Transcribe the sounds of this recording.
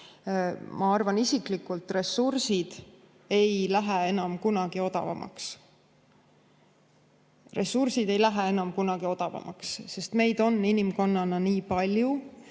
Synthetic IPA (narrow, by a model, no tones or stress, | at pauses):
mʔɑɑrvɑnisiklikːult̪ˑre̞sursid̪̥ | e̞jlæɦee̞nɑmkunɑɡ̥io̞d̪̥ɑ̰vɑ̰mʔɑ̰ks | re̞sursid̪̥e̞jlæɦee̞nɑmkunɑɡ̥io̞d̪̥ɑvɑ̰mɑ̰ksse̞st̪me̞jd̪̥o̞nːinimko̞nːɑnɑniːpɑlʲju